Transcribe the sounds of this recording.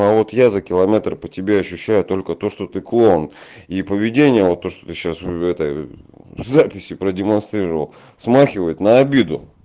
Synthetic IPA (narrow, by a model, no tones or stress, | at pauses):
avo̞t̪jazəkʲɪlˠɐmʲe̞t̪rpətʲɪbʲeɐɕːʉɕːæjʊt̪o̞lʲkət̪o̞ʂt̪o̞t̪ɨklˠo̞nipəvʲɪdʲenʲɪjəvo̞t̪ːo̞ʂt̪o̥t̪ɨɕasɛt̪əj | zapʲɪsʲɪpɾədʲɪmɐnst̪ɾʲiɾəvə̰lˠ | smaxʲɪvəjɪt̪nəɐbʲid̪ʊ